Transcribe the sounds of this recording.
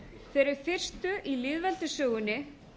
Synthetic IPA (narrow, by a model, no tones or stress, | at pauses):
θɛːɾɪɾ̥fɪr̥st̪ʏʔilɪðvɛlt̪ʏsœːɣʏnːɪ